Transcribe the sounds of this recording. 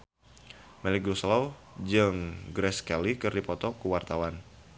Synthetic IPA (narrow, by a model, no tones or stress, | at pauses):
mɛlik̚ɾuslaw | d͡ʒɨŋɡɾɛskɛlikɨrdipɔt̪ɔkuwart̪awan